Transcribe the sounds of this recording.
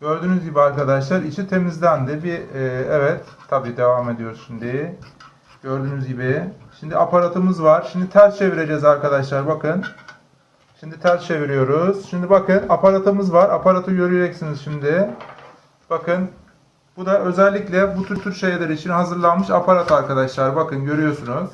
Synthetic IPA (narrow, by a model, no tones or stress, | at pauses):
ɟ̥ø̞ɾd̪ynyzɟibiaɾkad̪aʃlˠaɾit͡ʃʰint̪ʰe̞mizd̪ʲænd̪ɪbiːɛvɛt̪ʰːabiːd̪e̞vaːme̞d̪ijo̞ɾuzsind̪i | ɟ̥øɾd̪yːnyzɟibɪʃimd̪iapʰaɾat̪ʰɯmɯzvaɾ̥ʃimd̪it̪ʰæɾst͡ʃʰe̞viɾed͡ʒɛzaɾkʰad̪aʃlˠaɾbakɯn | ʃimd̪it̪ʰæɾst͡ʃʰe̞viɾijo̞ɾuz̥ʃimd̪ibakɯnapʰaɾat̪ʰɯmɯzvaɾapʰaɾat̪ʰɯɟø̞ɾyjed͡ʒɛcsinizʃimd̪ɪ | b̥akʰɯn | b̥ud̪aʔø̞zɛlʲːiclʲɛbut̪ʰyɾt̪ʰyɾʃe̞jlʲeɾiːt͡ʃʰinɦazɯɾlˠanmɯʃapʰaɾat̪ʰaɾkad̪aʃlˠaɾɯbakɯnɟøɾyjo̞sunuz̥